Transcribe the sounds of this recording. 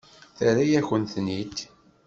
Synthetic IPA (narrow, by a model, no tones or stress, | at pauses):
θəɾijæçənθnit̪